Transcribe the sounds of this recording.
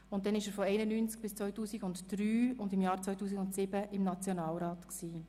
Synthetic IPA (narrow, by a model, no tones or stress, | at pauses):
ʊnt̚dɛnɪʃəɾfɔɛɪnənyːnt͡sk̚b̥ɪst͡sʋɔʏtuːsiɡʊntd̥ɾyːʊndɪmjɑːɾt͡sʋɔʏtuːs̬iɡʊntsɪbəʔɪmnɑt͡sjonɑːlɾɑːtksiː